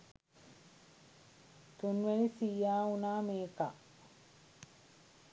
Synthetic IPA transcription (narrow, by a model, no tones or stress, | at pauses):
t̪unʋɛnisiːjaːunaːmeːkaʔ